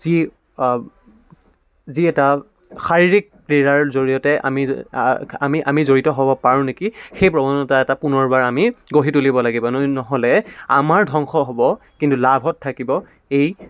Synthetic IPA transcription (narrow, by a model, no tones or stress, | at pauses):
zi | ziɛta | xaɹiɹik̚pɹiɹaɹzoɹijɔtɛʔa̰mi | a̰miʔa̰mizoɹitɔɦɔbɔpaɹũnekixejpɹɔbɔnɔtaɛtapunɔɹbaɹamiɡoɦitulibɔlaɡibɔnɔɦɔlɛamaɹdʱɔŋxɔɦobɔ | kintulabʱɔtʰːakibɔ | ej